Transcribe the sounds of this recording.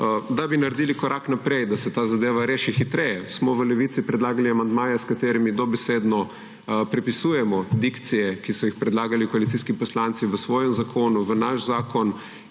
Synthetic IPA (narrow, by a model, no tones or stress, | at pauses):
d̪abinaɾd̪ilikɔɾʔaknapɾɛjd̪asɛt̪aːzad̪eːʋaɾeːʃixit̪ɾɛjɛsmɔʋəlɛʋit̪sipɾɛd̪laːɡaliamand̪maːjɛskat̪eːɾimid̪ɔbɛseːd̪nɔ | pɾɛpisuːjɛmɔd̪ikt̪sijɛkisɔjixpɾɛd̪laːɡalikɔalit̪iskipɔslant̪siʋəsʋɔːjɛmzakʰoːnuʋənaʃzaːkɔn